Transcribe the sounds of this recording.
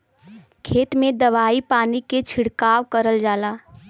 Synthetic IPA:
kʰeːt̪mẽd̪ɐʋaːipaːniket͡ʃʰɪɽkaːʋkəɾəld͡ʒaːlaː

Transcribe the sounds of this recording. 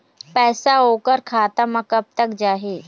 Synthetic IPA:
pɛːsaokəɾkʰaːt̪amakəb̚t̪əkd͡ʒaːɦe

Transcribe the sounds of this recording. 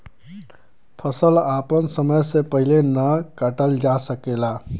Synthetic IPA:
pʰəsəlapənsəməjsepəɦilenəkaʈəld͡ʒasəkela

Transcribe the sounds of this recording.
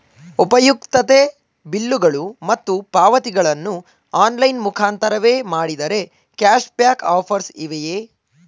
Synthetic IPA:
upɐjukt̪ɐt̪e | bilːuɡɐɭumɐt̪ːupaːʋɐt̪iɡɐɭɐnːu | aːnlɐjnmukʰaːnt̪ɐɾɐʋe̞ːmaːɽid̪ɐɾe̞ | kaːʃpjaːkaːpʰɐɾsiʋejeː

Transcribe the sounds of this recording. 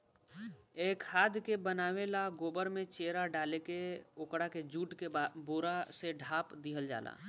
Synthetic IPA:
eːkhaːd̪ʱkebənaːʋelaɡoːbəɾmẽt͡ʃeːɾaɖaːlekeʊkɽaked͡ʒuːʈkeboːɾaseɖʱaːpd̪iɦəld͡ʒa̰ːlʔa̰ː

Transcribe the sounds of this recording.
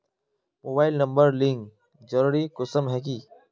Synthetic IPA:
moːbaːɪlnəmbəɾlɪŋk | d͡ʒəɾuːɾiːkʊsəmɦɛːk̬iː

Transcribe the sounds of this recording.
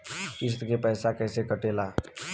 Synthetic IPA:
kɪs̬t̪kepɛːsakɛːsekəʈeːlaː

